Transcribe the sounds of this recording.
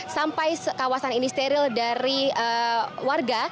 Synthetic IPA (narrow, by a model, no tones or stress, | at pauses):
sampajsəkawasaninist̪eɾildaɾiəwarɡa